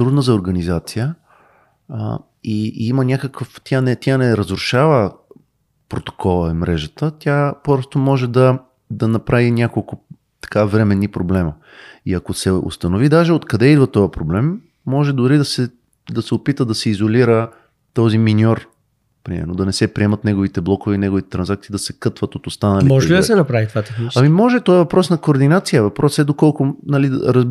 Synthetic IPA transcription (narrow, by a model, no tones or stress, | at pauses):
t̪ɾud̪nəzɐoɾɡɐnizat̪sijə | iimənʲakəkəft̪ʰʲanɛt̪ʲanɛɾəzɾʊʃavə | pɾot̪o̥kʰɔlˠəmɾɛʒət̪ət̪ʲjapɔst̪omɔʒɛd̪ɐ | d̪ɐnɐpɾavinʲakolˠkʊ | t̪ɐ̥kavɾɛmɛnːipɾoblɛmə | iɐkosɛo̰st̪ɐnovid̪aʒɛot̪kɐd̪ɛid̪vɐt̪ɔjəpɾoblɛmː | ɔʒɛd̪ʊɾid̪ɐsɛ | d̪ɐsɛopit̪əd̪ɐsɛizoliɾə | t̪ɔziminʲɔɾ | pɾimɛ̰ɾnod̪ɐnɛsɛpɾiɛmɐt̪nɛɡovit̪ɛblˠɔkʊvɛinɛɡovit̪ɛt̪ɾɐnzak̚t̪siːd̪ɐsɛkɤt̪vət̪ot̪ost̪anəlimɔʒɛlid̪ɐsɛnɐpɾavit̪vat̪ɛniɐmimɔʒɛt̪ɔɛvɐpɾɔsnɐkoːɾd̪inat̪sijəvɐpɾɔsɛd̪okɔlˠkʊnɐlid̪̰ɾəz